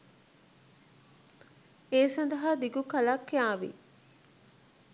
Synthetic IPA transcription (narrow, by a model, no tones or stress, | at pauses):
eːsɐnd̪ɐɦad̪iɡukɐlakːeaːʋḭ